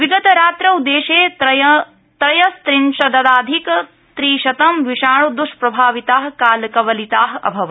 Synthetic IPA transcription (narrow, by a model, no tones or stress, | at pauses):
ʋiɡɐt̪ɐɾaːt̪ɾɐud̪ːeːʃeːj | t̪ɾɐjɐst̪ɾinʃɐd̪ɐd̪aːd̪ʱik | t̪ɾiːʃɐt̪ɐmʋiʃaːɭud̪uʃpɾɐbʱaːʋit̪aːɦkaːlɐkɐʋɐlit̪aːɦɐ̰bʱɐʋɐ